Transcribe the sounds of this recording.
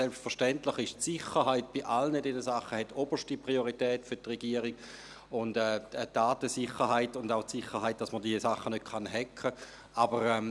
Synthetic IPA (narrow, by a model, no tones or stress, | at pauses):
sɛlpstfəʁʃtɛntlɪχɪʃtsɪχəʁɦaɪt̚b̥iʔalnədɛnəsaχːəhɛtʰːob̥əʃtipʁioʁitɛːtfʏtʁɛɡiəɾiɡ̥ | ʊndɛːdaːtəsɪχːəʁɦaɪtʊndaʊtsɪχːəɾɦaɪt̚d̥ɑsmədiəsaχːənøt̚kʰanɦɛkʰə | ʔabəʁɛm